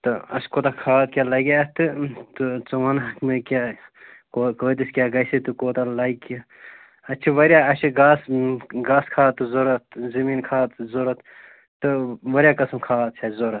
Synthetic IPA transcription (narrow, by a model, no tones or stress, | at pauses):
t̪ɨɐ̰skoːt̪akʰaːt̪kʲalɐɡʲat̪ɨt̪ut͡sɐʋɐnɦɐkmekʲa | kokoːt̪iskʲjaːɡɐjsit̪ukoːt̪alɐiki | ɐt͡ʃʰiʋɐɾjaɐsiɡaːsɡaːskʰaːt̪ɨzoɾɐt̪zɐmiːnkʰaːt̪zoɾɐt̪ | t̪ɨʋɐɾʲjaːkɐsmkʰaːt̪̚t͡ʃʰɐzoɾɐt̪